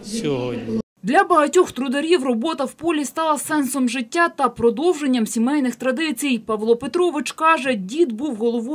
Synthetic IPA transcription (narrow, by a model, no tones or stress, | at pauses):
d̪lʲɐbɐɦɐtʲɔxt̪ɾʊd̪ɐɾʲiwrɔbɔt̪ɐwpɔlʲist̪ɑlˠɐsɛnsɔmʒɪtʲːat̪ɐpɾɔd̪ɔwʒenʲːɐmsʲimɛjnɪxt̪ɾɐd̪ɪt͡sʲijpɐʋlˠɔpet̪ɾɔʋɪt͡ʃkɑʒɛdʲid̪buwɦɔlˠɔʋɔ